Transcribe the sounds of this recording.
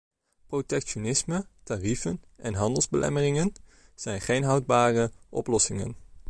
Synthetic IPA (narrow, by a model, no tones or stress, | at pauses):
protɛkʃonɪsmətarifən | ʔɛnɦɑndəlˠzbəlʔɛ̰mərɪŋənz̥ɛjnχejnɦɑwd̚baːrəʔɔ̰plɔsɪŋə̰n